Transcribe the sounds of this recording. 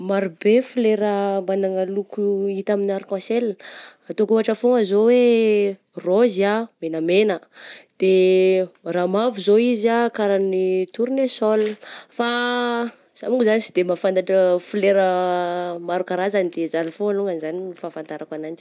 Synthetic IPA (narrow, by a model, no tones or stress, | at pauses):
maɾubefuleɾəmanaŋalukuit̪aminaɾkɔ̃selat̪okuaʈ͡ʂəfoŋəzowe | roziamenəmenəd̪̥e | ramavuzoizakaɾanit̪uɾinesɔlfa | z̥amuɡizanisid̪emafant̪aʈ͡ʂəfileɾə | maɾukaɾazanid̪ezalifoaluŋanizaninifafant̪aɾakwanant͡ʃi